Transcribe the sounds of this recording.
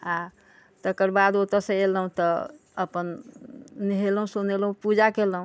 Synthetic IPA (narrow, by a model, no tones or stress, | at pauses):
a | t̪əkəɾbad̪ot̪əɾsẽeləɦũt̪ɔ | əpən | niɦelɦũsonelɦũpud͡ʒakeləɦũ